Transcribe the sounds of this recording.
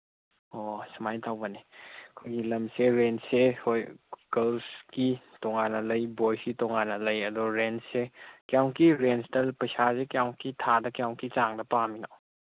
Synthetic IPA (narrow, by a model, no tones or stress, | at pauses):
osɐmajtʰawbɐnikʰojɡilɐmseɾensehojɡɐlskitɔŋanɐlɐjbojskitɔŋanɐlɐjɐdɔɾensekjawŋkiɾenstɐlpɐjsasekjawŋkitʰadɐkjawkit͡ʃaŋdɐpamino